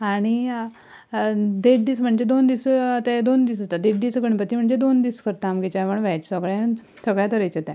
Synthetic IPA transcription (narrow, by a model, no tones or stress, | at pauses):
aɽ̃i | d̪eʈ̚d̪iːsm̤əɳd͡ʑed̪ond̪ist̪ɛd̪ond̪iːsd͡zat̪ad̪eʈ̚ɖ̪isɡəɳpət̪im̤əɳd͡zed̪ond̪iːskəɾt̪aamɡet͡ɕaʋəɳʋɛt͡ɕsəɡɭjɛ̃ | səɡɭjat̪əɾejt͡ɕet̪ɛ̃